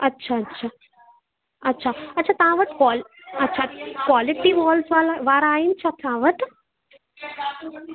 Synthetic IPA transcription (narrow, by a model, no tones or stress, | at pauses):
ɐtːʃʰaɐtːʃʰa | ɐtːʃʰaɐtːʃʰat̪ãːʋət̪kɔːl | ɐtːʃʰakwaːliʈiʋɔːlsʋalaʋaːɾaːint͡ʃʰɐt̪ʰãːʋət̪